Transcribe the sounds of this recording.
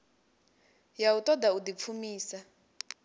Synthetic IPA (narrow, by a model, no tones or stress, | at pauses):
jautɔdaudip̪fʰumiːsa